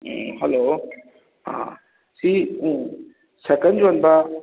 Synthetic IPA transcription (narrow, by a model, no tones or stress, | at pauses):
ɦɛloː | ɦã̰ː | siːũː | sɐkənd͡ʑoɐnba